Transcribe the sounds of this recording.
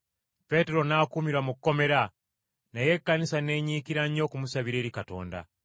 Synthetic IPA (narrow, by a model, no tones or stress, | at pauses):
pe̞teɾo̞naːkumiɾwamukukːo̞me̞ɾa | naje̞kːanisane̞ɲikiɾaɲo̞ːkumusaβiɾe̞ːɾikato̞̰ːnda̰